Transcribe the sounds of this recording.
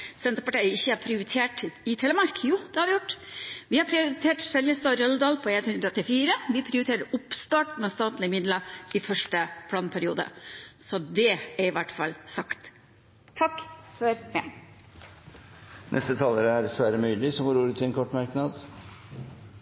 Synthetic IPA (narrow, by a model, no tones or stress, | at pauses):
sɛnt̪ɾəpɑʈæɪjəɪçːəæɾpʰɾɪʊɾɪt̪ʰeːʈɪt̪ʰɛːləmɑɾkjuːd̪ɛhɑɾʋɪjʊʈːʋɪhɑɾpʰɾɪʊɾɪt̪ʰeːʈsɛljəst̪ɑːɾœld̪ɑːlpʰɔeːnt̪hʉnɾɔt̪ːɪfiːɾəʋɪpʰɾɪʊɾɪt̪ʰeːɾəɾʊpst̪ɑːʈmɛst̪ɑːt̪lɪmɪd̪ləɪfœʂʈəpʰlɑːnpʰæɾɪṵːd̪ə̰sɔd̪ɛæɾɪʋæʈːfɑ̰lsɑkt̪ | t̪ʰɑkːfɔɾmeɳ | nʔɛ̰st̪ət̪ʰɑːləɾəæɾsʋæːɾəmyːlɪsɔɡoːɾuːɾət̪ʰɪɛnkʰɔʈːmɑɾknɑd̪